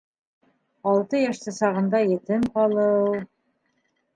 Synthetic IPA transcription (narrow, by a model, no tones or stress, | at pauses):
ɑlˠt̪ɤjɑʃt̪ɤsɑʁɤ̆nd̪ɑjĕt̪ɘnqɑlˠɤw